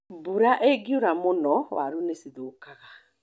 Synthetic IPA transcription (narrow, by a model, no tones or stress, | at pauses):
buɾaʔeɡiuɾamonɔwʔa̰ɾunesiðokaɣa